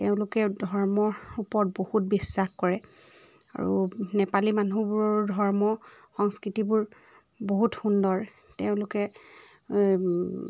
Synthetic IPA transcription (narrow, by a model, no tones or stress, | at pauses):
teʊ̃lʊkɛdʱɔɹmɔɹupɔɹɔt̚bohut̚bisːaxkɔɹɛ | a̰ɹṵnɛpalimanubuɹɔdʱɔɹmɔ | xɔŋskɹitibuɹ | boɦutxundɔɹ | teʊ̃lʊkɛ